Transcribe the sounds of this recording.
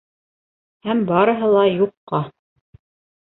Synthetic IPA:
hæmbɑɾɤ̆ɦɤ̆lˠɑjuqːɑ

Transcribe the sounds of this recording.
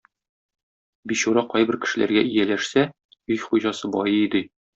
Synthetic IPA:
biɕuɾɑqɒjbɘ̆ɾkɘ̥̆ʃɘ̆læ̰ɾɡæʔijælæʃsæ | ɵjχujʑɑsɤbɒjɤid̪ɘ

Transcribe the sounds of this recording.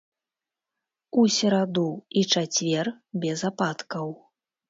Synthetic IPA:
usʲɛɾad̪uit͡ʂat͡sʲvʲɛr | bʲɛzapat̪kɐw

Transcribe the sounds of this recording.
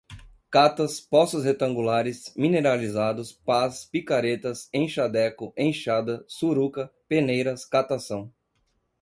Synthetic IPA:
kat̪ɐspɔsʊshet̪ɐ̃ŋɡulaɾɪsmĩneɾalizad̪ʊspaspikaɾet̪ɐsẽj̃ʃad̪ɛkʊʔẽj̃ʃad̪ɐsuɾukɐpenejɾɐskat̪asɐ̃w̃

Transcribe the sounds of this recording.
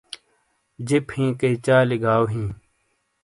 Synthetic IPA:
d͡ʑephĩːkɐit͡ɕaːliɡaːwɦĩː

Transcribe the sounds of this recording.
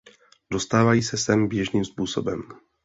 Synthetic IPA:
dost̪aːvajiːsɛsɛmbjɛʒniːmspuːso̞̰bɛm

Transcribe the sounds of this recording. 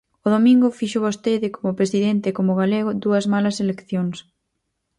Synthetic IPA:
ʊðomĩŋɡʊfiʃʊβost̪eðɪkomʊpɾesiðent̪ɪːkomʊɣaleɣʊd̪uɐzmalɐselekθjoŋs

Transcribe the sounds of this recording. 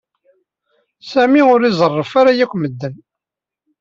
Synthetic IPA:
sæmiʊɾizˤərˤːəfaɾajækʷːməd̪ːən

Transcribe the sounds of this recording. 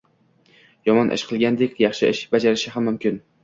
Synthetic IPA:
jɒmɒnʔɪ̰ʃqʰɨlˠɡʲand̪ekʲjɑχʃɪɪʃbad͡ʒaɾɪʃɪɦamːʊmkʲʰɪn

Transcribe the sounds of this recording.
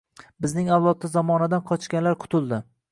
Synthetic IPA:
bɪznɪŋawlˠɒt̪ːazɒmɒnad̪anqʰɒt͡ʃkʲanlaɾqʰʊ̥t̪ʰʊlˠd̪ɪ

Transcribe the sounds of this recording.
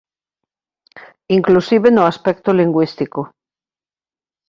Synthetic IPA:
iŋklusiβenoaspekt̪oliŋɡwist̪iko

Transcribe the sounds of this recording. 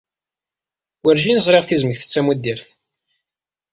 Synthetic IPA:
wəɾʒinəzˤɾˤeʁθizməçθə̥t͡sːæmid̪iɾθ

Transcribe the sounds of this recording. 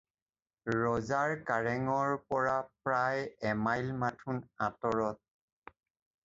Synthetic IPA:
ɹɔzaɹkaɹɛŋɔɹpɔɹapɹajɛmajlmatʰunatɔɹɔt̚

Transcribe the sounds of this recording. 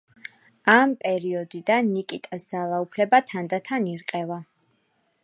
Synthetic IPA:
ampʼɛɾiɔd̪id̪anːikʼit̪ʼasd̪zalˠaupʰlɛbat̪ʰand̪at̪ʰaniɾqʼɛva

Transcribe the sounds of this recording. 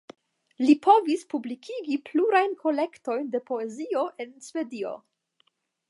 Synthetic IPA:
lipʰo̞vispublikʰiɡipluɾajnkʰo̞le̞kto̞jnde̞po̞e̞zio̞ʔe̞nsve̞dio̞̰

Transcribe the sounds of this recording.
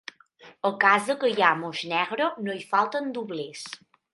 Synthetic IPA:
əlˠkazðəkəjamoznɛɣɾonoifalˠt̪ənd̪uβles

